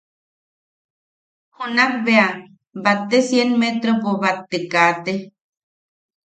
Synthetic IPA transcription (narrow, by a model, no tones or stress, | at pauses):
hunakbea | bat̪ːesjenmet̪ɾopoβat̪ːekat̪e